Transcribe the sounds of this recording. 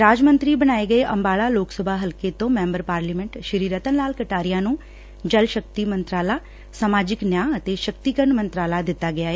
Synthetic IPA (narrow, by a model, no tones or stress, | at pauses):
ɾaːd͡ʒmə̃nt̪ɾiːbəñaːeɡəeʔəmbaːɭaːloːksəbʱaːɦəlkeːt̪õːmɛ̃ːmbəɾpaːɾliːmɛ̃ɳʈʃəɾiːɾət̪ənlaːlkəʈaːɾɪjãːnũː | d͡ʒəlʃək̚t̪iːmənt̪ɾaːlaː | samaːd͡ʒɪknjãːət̪eːʃək̚t̪iːkəɾəɳmə̃nt̪ɾaːlaːd̪ɪt̪ːaːɡɪaːɦeː